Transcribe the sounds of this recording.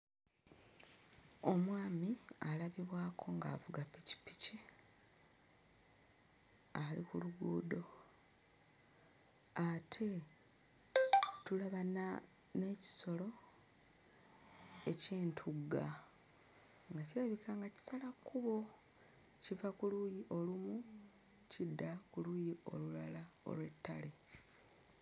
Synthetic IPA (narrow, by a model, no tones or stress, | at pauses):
o̞mwaːmialaβiβwaːkʰo̞ŋɡa̰ːvuɡapici̥pi̥ci | alḭkuluɡuːdo̞ | atʰe̞ | tulaβana | ne̞ːci̥so̞lo̞ | e̞ceːntʰuɡa | ŋɡacilaβikaŋɡaci̥salakuβo̞ | civakulujiʔo̞lumu | cidːakulujio̞̰lulalao̞̰lwe̞tːale